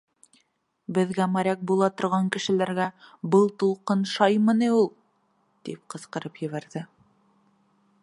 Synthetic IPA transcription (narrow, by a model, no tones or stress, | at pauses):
bɘ̆ðɡæmæɾʲæk̚bulˠɑt̪ŏɾʁɑŋkɘ̆ʃɘ̆læɾɡæbɤlˠt̪ulˠqɤnʃɑjmɤ̆nɤulˠ | t̪ip̚qɤ̆sqɤ̆ɾɤpjɘ̆βæɾðɘ